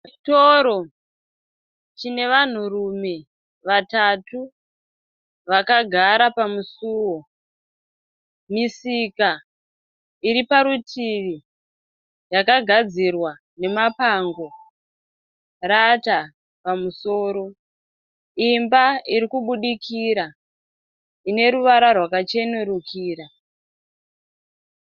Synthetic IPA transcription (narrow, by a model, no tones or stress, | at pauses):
t͡ʃitoɾo̞ | t͡ʃine̞ʋan̤urume̞ | ʋatatu | ʋakaɡʱaɾapamusuwo | misika | iɾipaɾutʰiʋi | jakaɡʱad͡zirwa | ne̞mapaŋɡo̞ | rata | pamuso̞ːɾo̞ | imbaiɾikuɓuɗikʰiɾa | ine̞ɾuʋaɾarwakat͡ʃe̞neɾukʰiːɾa